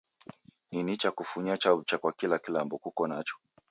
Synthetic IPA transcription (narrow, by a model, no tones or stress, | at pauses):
ninit͡ʃakufuɲat͡ʃaut͡ʃakwakilakilambɔkukɔnat͡ʃɔ̥